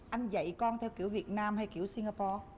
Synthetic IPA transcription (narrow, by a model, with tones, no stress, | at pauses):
ʔa˧jŋ̟zə̰˧˨jkɔ˧nt̪ʰɛ˧wki˧˩əwvi˨˩ət̚naː˧mha˧jki˧˩əwsi˧ŋaː˧pɔ˧